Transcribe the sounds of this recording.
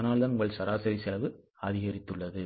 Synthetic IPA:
naːlðɐnʊŋɡɐɭsɐɾaːsɐɾisɪlɐʋɯ | ɐðɪɣɐɾɪt̪ːɯɭːɐðɯ

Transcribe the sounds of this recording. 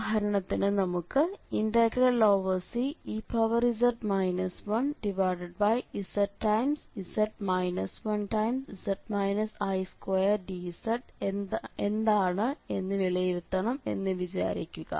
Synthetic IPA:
ɦɐɾɐɳɐt̪ːinɨnɐmukːɨinɖɐɡɾɐlːoːʋɐsiipɐʋɐrisɐrʈmɐjnɐsʋɐnɖiʋaːɖɐɖ̚bɐjisɐʈʈːɐjmsisɐʈmɐjnɐsʋɐnʈɐjmsisɐʈmɐjnɐsɐjskwejɐrɖisɐʈ | end̪aːɳɨe̞nːɨʋiɭijiɾut̪ːɐɳɐme̞̰nːɨʋid͡ʑa̰ːɾḭkʲːuɣɐ̰

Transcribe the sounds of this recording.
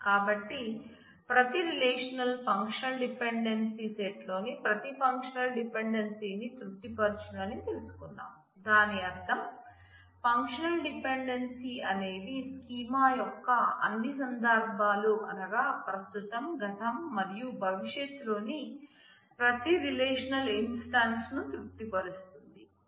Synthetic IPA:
kaːbɐʈːi | pɾɐt̪iɾileːʂɐnɐlpʰɐŋkʂɐlɖipeɳɖensiseʈlo̞ːnipɾɐt̪ipʰɐŋkʂɐnɐlɖipeɳɖɐnsiːnit̪ɾut̪ːipɐɾt͡ʃunɐnit̪elusu̥kunːa̰ːm | d̪aːniɐɾt̪ʰɐm | pɐŋkʂɐnɐlɖipeɳɖensiɐne̞ːd̪iskiːmaːjɔkːɐɐ̰nːisɐnd̪ɐɾbʱaːluʔɐnɐɡaːpɾɐst̪ut̪ɐmɡɐt̪ɐmːɐɾijubʱɐʋiʃjet̪ːlo̞ːni | pɾɐt̪iɾileːʂɐnɐlinsʈaːnsnut̪ɾuk̚t̪ipɐɾust̪und̪i

